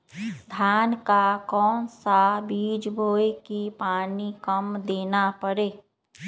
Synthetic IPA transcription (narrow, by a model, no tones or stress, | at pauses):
d̪ʱjaːnkakɔːnsabiːd͡ʒbʱoːjkipaːnikəmd̪eːnapəɾeː